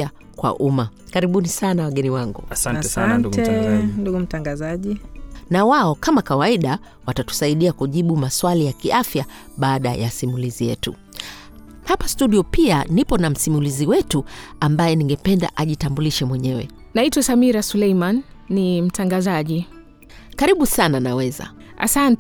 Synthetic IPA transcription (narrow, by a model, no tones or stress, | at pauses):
a | kwa̰ʔumakaɾiɓunisanawaɠɛniwaŋɡṵasantantɛnduɡum̩taŋɡazaʄinawaɔkamakawaiɗa | watatu̥saiɗiakuʄiɓumaswalijakiʔafjaɓaːɗa̰ja̰simulizijɛ̰tṵ | hapastuɗiɔpianipɔnam̩simuliziwɛtuambajɛniŋɡɛpɛnda̰ʔaʄitambuliʃɛmwɛɲɛwɛ̰ | naitwasamiɾasulɛjmanːim̩tʰaŋɡazaʄi | kaɾiɓusananawɛza̰ | a̰sant